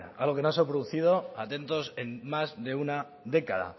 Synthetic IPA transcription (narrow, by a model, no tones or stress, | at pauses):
alɣ̞o̞ke̞noasop̬ɾoðuθið̞o̞at̪e̞nt̪o̞se̞nmazðe̞una | ðe̞kaða̰